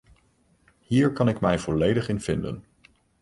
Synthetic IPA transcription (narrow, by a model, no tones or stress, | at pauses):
ɦiːɹkɑnɪkmɛjvɔlejdəχɪnv̥ɪndə̰n